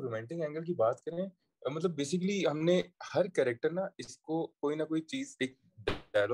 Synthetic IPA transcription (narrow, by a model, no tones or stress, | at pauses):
ɾmɛ̃ːɳʈɪ̃ŋɡɛ̃ːŋɡəlk̬ibaːt̪kɐɾẽɛ̃ | mɐt̪̬ləbːeːsɪkliɦɐmnehɐɾkɛːɾɛk̚ʈəɾnaɪskokoːinɐkoːit͡ʃiːzeːk̚ | ɖajloː